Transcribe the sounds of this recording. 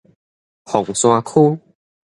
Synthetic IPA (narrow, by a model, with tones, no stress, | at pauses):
hɔ˨˩ŋsw̃a˧kʰu˦